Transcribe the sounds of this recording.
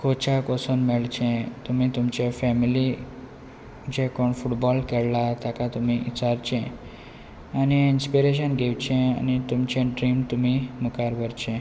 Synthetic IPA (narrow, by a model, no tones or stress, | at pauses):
kʰot͡ɕakɔsənmɛɭt͡ɕɛ̃t̪umit̪umt͡ɕefɛmili | d͡ʑekɔɳfuʈbɔlkɛɽlat̪akat̪umiʔit͡ɕaɾt͡ɕɛ̃ | aniinspiɾeɕ̬ənɡʱewt͡ɕẽa̰nit̪umt͡ɕẽɖɾimt̪umimukaɾʋəɾt͡ɕɛ̃